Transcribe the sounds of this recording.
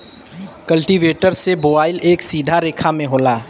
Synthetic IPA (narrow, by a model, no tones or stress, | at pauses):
kəlʈiʋeːʈəɾseboːbaːɪleːksiːd̪ʱaɾeːkʰamẽɦoːlaː